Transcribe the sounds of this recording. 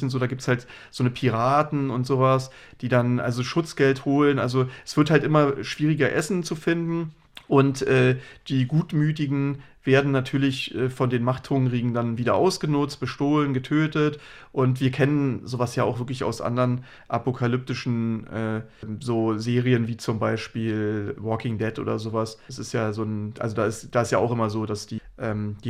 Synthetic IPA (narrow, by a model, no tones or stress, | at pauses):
nz̥oːdaːɡiːptshaltz̥oːnəpʰiʁaːtn̩ʊntz̥oːvas | d̥iːdanʔa̰lzoʃʊt͡sɡ̥ɛlthoːlənʔa̰lzoʔɛsv̥ɪɐthaltʔɪmɐʃv̥iːʁ̞ɪɡɐʔɛsn̩t͡sufɪndn̩ | ʔʊntʔɛːd̥iːɡuːtmyːtɪɡŋ̩ | v̥eːɐdn̩ːatʰyːɐlɪçʔɛːfɔndeːnmaχtʰʁ̥ʊŋʁiːɡŋ̩danviːdɐʔa̰ʊsɡ̥ənʊt͡st̚b̥əʃtoːlənɡətʰøːtət | ʔʊntv̥iːɐkʰɛnənzoːvasjaːaʊχv̥ɪɐklɪça̰ʊsʔa̰ndəʁən | ʔapokʰalʏp̚tɪʃn̩ʔɛːzoːzeːʁiənviːt͡sʊmbaɪʃpiːlvɔkɪŋdɛtʔo̰ːdɐzoːvassɪ̰stjaːzoːnʔa̰lzodaːɪstd̥aːɪstjaːʔaʊxʔɪmɐzoːdasd̥iːʔɛːmd̥iː